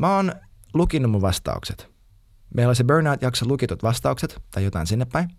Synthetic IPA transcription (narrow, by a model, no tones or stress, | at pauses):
mæoːnlukinːumːuʋʋɑst̪ɑ̰ṵkset̪ | meilolisibøɹnɑːt̪jɑksolukit̪ut̪ʋɑst̪ɑukset̪t̪ɑjot̪ɑ̰insinːepːæjn